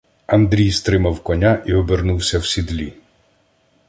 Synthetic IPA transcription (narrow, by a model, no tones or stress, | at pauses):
ɐnd̪ɾʲijst̪ɾɪmɐwkɔnʲaʔiɔbernuwsʲɐwsʲid̪lʲi